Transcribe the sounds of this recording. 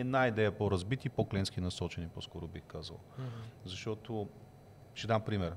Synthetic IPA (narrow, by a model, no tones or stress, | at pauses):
ɛd̪naid̪ɛjɐpoɾɐzbit̪ipoklɛnskinɐsɔt͡ʃɛniposkɔɾʊbixkazɐ̰lˠzɐʃt̪ɔt̪ʊ | ʃt̪ɛd̪ampɾimɛɾ